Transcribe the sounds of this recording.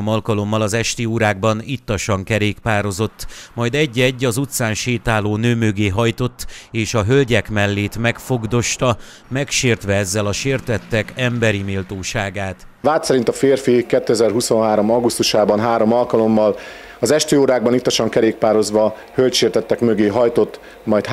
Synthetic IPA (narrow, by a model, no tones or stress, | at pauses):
omɒlkɒlo̞mːɒlɒzɛʃt̪ioːɾaːɡ̚bɒnit̪ːɒʃɒŋkɛɾeːkpaːɾo̞zo̞t̪ːmɒjd̪ɛɟːɛɟːɒzut̪saːnʃeːt̪aːloːnøːmøɡeːɦɒjt̪o̞t̪ːeːʃɒɦølɟɛkmɛlːeːt̪mɛkfo̞ɡd̪o̞ʃt̪ɒ | mɛkʃeːrt̪ʋɛɛzːɛlɒʃeːrt̪ɛt̪ːɛkɛmbɛɾimiːlt̪oːʃaːɡaːt̪ | vaːt̪sɛɾint̪ɒfeːrfikɛt̪ːøɛzɛrɦuso̞nɦaːɾo̞mɒɡust̪uʃaːbɒnɦaːɾo̞mɒlkɒlo̞mːɒl | ɒzɛʃt̪øːoːɾaːɡ̚bɒnit̪ːɒʃɒŋkɛɾeːk̚paːɾo̞zʋɒ | hølt̪ʃeːrt̪ɛt̪ːɛkmøɡeːɦɒjt̪o̞t̪ː | mɒjt̪